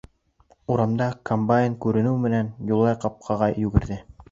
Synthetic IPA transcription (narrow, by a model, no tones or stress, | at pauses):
uɾɑmd̪ɑkombajɪnkʉɾɘ̆nɘwmɘ̆nænjulˠːɑjqɑp̚qʰɑʁɑjjːʉɡɘ̆ɾðɘ